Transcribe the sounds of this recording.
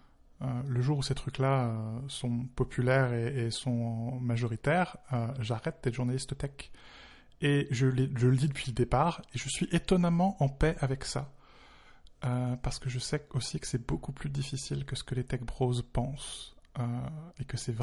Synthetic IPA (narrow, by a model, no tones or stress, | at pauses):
øləʒuʁuset̪χyklaøsɔ̃pɔpʰylɛʁeːsɔ̃maʒɔʁit̪ɛːʁøʒaʁɛt̪̚d̪̥ɛʒuʁnalist̪ət̪ɛk | eʒəleʒələd̪id̪əpɥiləd̪epaʁeʒəsɥiʔet̪ɔnamɑ̃ʔɑ̃pɛʔavɛksa | øpaʁsə̥kəʒəsɛosikə̥sɛbokuplyd̪ifisilkəsə̥kəlet̪ɛk̚bʁozpɑ̃søekəsɛv